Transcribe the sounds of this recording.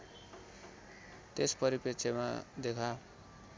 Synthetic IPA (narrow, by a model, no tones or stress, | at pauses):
t̪espʌɾipet͡sʰema̰d̪ekʰa